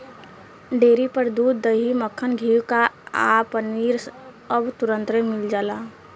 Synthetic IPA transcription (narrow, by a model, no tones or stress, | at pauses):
ɖeːɾipəɾd̪uːd̪ːəɦiməkʰːənɡʱiːwkaa̰ːpəniːɾs | əbt̪ʊɾə̃nt̪ɾemɪld͡ʒaːlaː